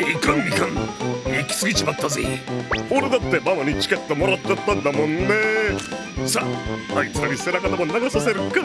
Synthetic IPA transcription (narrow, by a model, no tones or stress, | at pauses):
ikɾãmɡʲikãŋikʲi̥sɨɡʲit͡ɕimat̪ːazḛio̞ɾed̪at̪ːe̞mamoɲ̟it͡ɕi̥kʲe̞t̪ːo̞mo̞ɾat̪ːt͡ɕat̪ːãnd̪amõ̞nne | sahaisaɾʲise̞ɾakat̪amonaɡasase̞ɾɯkːa